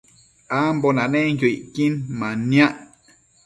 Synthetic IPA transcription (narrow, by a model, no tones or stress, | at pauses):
ambonãnẽŋkʲjoiʔkinmãnjãʔ